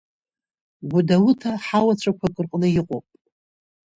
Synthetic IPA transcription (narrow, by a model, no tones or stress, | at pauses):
ɡʷudawutʰaħawat͡ɕʷʰakʷʰakʷʼɨrqʼnɨjɪqʼo̰pʼ